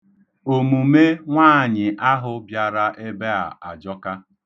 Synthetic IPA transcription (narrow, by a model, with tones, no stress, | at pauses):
o˨mu˨me˦ŋʷaː˦˨ɲɪ˨ʔa˦ɦʊ˦bja˨ɾa˦ʔe˦be˦a̰˨a˨d͡ʒɔ˦ka˦